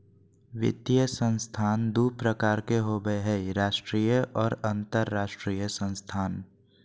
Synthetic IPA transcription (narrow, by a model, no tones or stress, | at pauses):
ʋɪ̰t̪jəsə̃nst̪ʰaːnd̪uːpɾəkaːɾkeɦoːbeɦɛɾaːʃʈɾiːjəʔɔːɾə̃nt̪əɾːaːʃʈɾiːjəsə̃nst̪ʰaːn